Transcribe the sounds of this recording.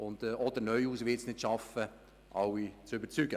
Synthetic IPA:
ʊnd̥ɔd̪əɾnœʏuːsʋɪsnɪtʃɑfə | ʔɑwit͡sʏbəɾt͡syɡə

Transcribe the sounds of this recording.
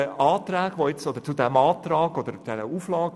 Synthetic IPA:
əɑːt̪ræːɡ̥voɪt͡sɔd̪əɾt͡sudɛmɑːt̪rɑːɡɔd̥̪əɾd̥ɛɾəuːflɑːɡ

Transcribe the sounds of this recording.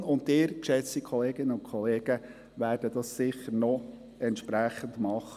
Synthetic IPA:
ʊndɪːɾkʃɛt͡sikʰɔleːɡɪnːəʊnkʰɔleːɡ̥ə | ʋæːɾd̥ədɑssɪχəɾnɔ | ɛntʃpɾæχəndmɑχə

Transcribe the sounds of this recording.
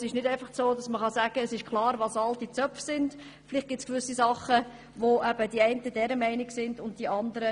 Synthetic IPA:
sɪʃnɪdæɪfɑχsoːdɑsməχɑsæɡ̥əːsɪʃkʰlˠɑːɾʋɑːsɑltit͡sœpfsɪnd̥ | flɪχt̚ɡ̥ɪtt͡skʋʏsisɑχə | ʋoʔɛb̥ədiɛɪntəd̥ɛɾəmæɪnɪɡsɪndʊnt̚d̥iʔɑndəɾə

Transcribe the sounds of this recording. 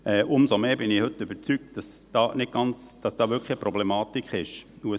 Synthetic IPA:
ɛːʔʊmsomeːbɪnɪhɵtːʏbət͡syk̚t̚d̥ɑsd̥ɑːnɪk̚ɡ̥ɑnt͡sd̥ɑsd̥ɑːʋʏkʰχlipɾɔblɛmɑːtikχɪʃ | uə

